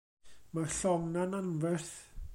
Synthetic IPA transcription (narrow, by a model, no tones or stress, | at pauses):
marɬɔŋnananvɛrθ